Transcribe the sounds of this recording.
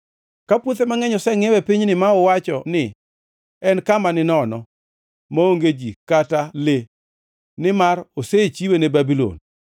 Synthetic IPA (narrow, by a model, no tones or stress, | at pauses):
kapwot̪emaŋɛɲɔsɛŋɛwɛpiɲnɪmaɔwat͡ʃɔnɪ | ɛnkamanɪnɔnɔ | maoŋɡed͡ʒikatale | nɪmaroset͡ʃiwenebabilo̰n